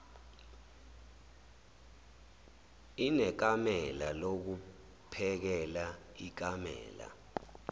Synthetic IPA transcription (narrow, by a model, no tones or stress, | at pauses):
inɛk̬amɛlalok̬u | pʰɛk̬ɛla | ik̬amɛ̰ːla̰